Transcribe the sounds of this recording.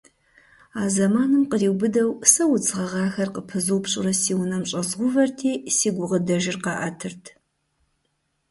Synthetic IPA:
aːzɐmaːnɨmqəriːwbɨdɐwsɐwʊt͡sʼɨʁɐʁɑːxɐrqəpʰɨzuwpʰɕʼʊ̰rɐsiːwnɐmɕʼɐzʁʷʊvɐrtʰiːsiːɡʷʊʁədɐʒɪrqɑʔɐtʰɨrtʰ

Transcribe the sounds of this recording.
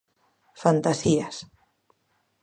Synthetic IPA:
fant̪asias

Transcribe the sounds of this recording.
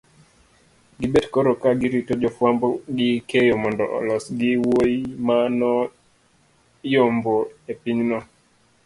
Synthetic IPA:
ɡibɛdkɔɾokaɡiɾitod͡ʒɔfwambɔɡikejomɔndɔ̰ʔɔ̰lɔsɡiwojmanɔ | jomboepiɲnɔ

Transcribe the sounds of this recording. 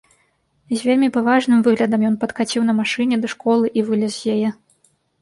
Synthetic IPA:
zʲvʲelʲmʲipavaʐnɨmvɨɣlʲɐd̪ɐmjɔnpɐt̪kat͡sʲiwnɐmaʂɨnʲɛd̪ɐʂkɔlˠɨʔivɨlʲɛzzjajɛ

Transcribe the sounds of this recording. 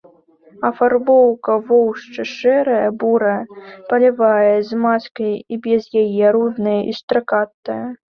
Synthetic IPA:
ɐfarbɔwkɐvɔwʂt͡ʂɨʂɛɾɐjɐbuɾɐjɐpɐlʲivajɐzmat͡sʲkɐjibʲɛzjajɛɾud̪nɨjɐʔist̪ɾɐkat̪ːɐjɐ

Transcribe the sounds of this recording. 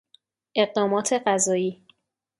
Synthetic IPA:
ʔe̞ɢ̚d̪ɒːmɒːt̪ʰe̞ɢæzɒːiː

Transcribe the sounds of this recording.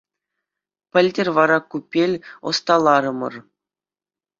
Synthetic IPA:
pʲɘ̆lʲdʲɘ̆rʲʋɑɾɑkupʲːelʲŏ̰st̪ɑlˠɑɾɤ̆mɤ̰̆r

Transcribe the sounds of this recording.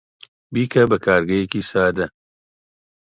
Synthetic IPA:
biːkʰɐbɐkʰaːɾɡɐjekiːsaːd̪ɐ

